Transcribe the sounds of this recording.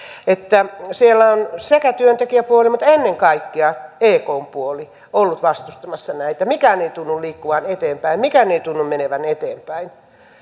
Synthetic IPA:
et̪ːæsielːæonsekæt̪yønt̪ekiæpuolimut̪enːeŋkɑikːiɑeːkoːmpuoli | olːut̪ʋɑst̪ust̪ɑmɑsːɑnæit̪ːˑæmikæːneit̪unːulliːkːuʋɑnet̪eːmpæimmikæneit̪unːummeneʋænet̪eːmpæin

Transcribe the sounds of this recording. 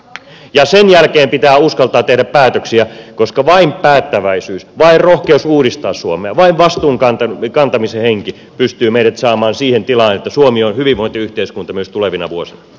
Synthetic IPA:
jɑsenjælkeːmpit̪æːuskɑlt̪ɑːt̪ehɾæppæːt̪øksiækoskɑʋɑimpæːt̪ːæʋæisyːsʋɑirrohkeusuːɾist̪ɑːssuomeɑʋɑiʋʋɑst̪uːŋkɑnt̪ɑkɑnt̪ɑmiseheŋki | pyst̪yːmeiɾæt̪sɑːmɑːnsiːhent̪ilɑːnet̪ːæsuomionhyʋiʋʋoint̪eyht̪eiskunt̪ɑmyøst̪uleʋinɑ̰ʋuosinɑ

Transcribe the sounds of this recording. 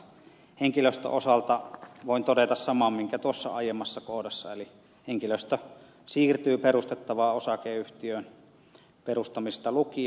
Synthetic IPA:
heŋkiløst̪ø̰ʔosɑlt̪ɑʋoˑint̪odet̪ɑssɑmɑmmiŋkæt̪uosːɑ̰ɑjemːɑsːɑkohdɑsːɑ̰eli | heŋkiløst̪ø | siːrt̪yːperust̪et̪ːɑʋɑːosɑkeːyht̪iøˑn | perust̪ɑmist̪ɑluki

